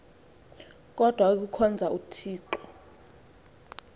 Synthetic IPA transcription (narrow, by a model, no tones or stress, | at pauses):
k̬ʼɔd̥ʱwak̬ukʰɔnd͡zʱautʰiːǃɔ